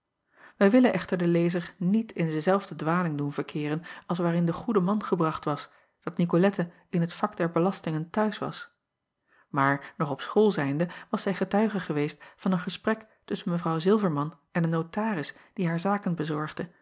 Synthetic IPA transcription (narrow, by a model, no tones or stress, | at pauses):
ʋɛjʋɪlənʔɛχtəɹdəlejzəɹnitʰɪndəzɛlˠvdədʋaːlɪŋdunvəɹkʰɪːrənɑlˠs̬ʋaːɾɪndəχudəmɑnχəbrɑχtʋɑs | d̥ɑtnikolɛtə | ɪnɦətfɑkdɛɹbəlɑstɪŋəntœɥsʋɑ̰s | maːɹnɔχɔpsχoːlˠzɛjndəʋɑsɛjχətœɥχəχəʋejstfɑnənχəsprɛk | tɵsənməvrɑwzɪlˠvəɹmɑn | ɛnənːotaːrɪsd̥iɦaːɹzaːkənbəzɔɹχdə